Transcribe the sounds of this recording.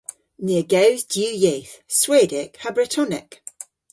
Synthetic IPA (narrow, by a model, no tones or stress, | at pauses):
nɪəɡəʊzdjʉːjɛθswɛːdɪkhabɹɪtʰɔnɪ̰k